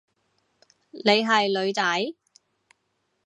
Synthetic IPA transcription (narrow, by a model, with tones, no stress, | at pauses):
le˨˧jɦɐ˨jlɵ˨˧ɥt͡sɐ˨˥j